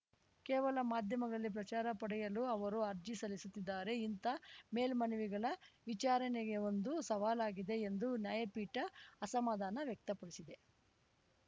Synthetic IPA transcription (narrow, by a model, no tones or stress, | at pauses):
kɛːʋɐlɐmaːd̪ʱjɐmɐɡɐɭɐlːip̬ɾɐt͡ʃaːɾɐpɐɽɛjɐluɐʋɐɾuɐɾd͡ʒisɐlisut̪ːid̪ːaːɾe̞int̪ɐme̞ːlmɐnuʋiɡɐɭɐʋit͡ʃaːɾɐneɡe̞o̞nd̪usɐʋaːlaːɡid̪e̞ːnd̪unjaːjɐpiːʈɐːsɐmaːd̪aːnɐʋjɐk̚t̪ɐpɐɽisid̪e̞